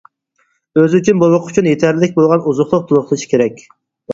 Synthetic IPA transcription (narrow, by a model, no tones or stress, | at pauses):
øzyt͡ʃʰynbowʊqʰy̥t͡ʃʰynjet̪ʰæɾlɪlɪkʲbolˠʁɑnuzʊχlˠʊq̚t̪ʰʊlˠʊχlˠɨʃʰi̥kʲʰeɾɛkʲ